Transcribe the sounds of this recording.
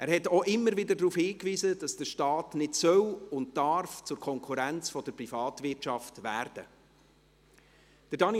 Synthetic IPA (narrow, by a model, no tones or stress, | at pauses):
ʔæːɾhɛtoʔɪmːəɾvɪdədɾuːfhiːkviːzəd̥ɑsd̥əʃtɑːtnɪtsœwʊntd̥ɑɾft͡sʊɾkʰɔŋkʰuɾænt͡sfɔd̥əɾprifɑːtvɪtʃɑftʋæːɾd̥ə̰ | d̥əɾdɑn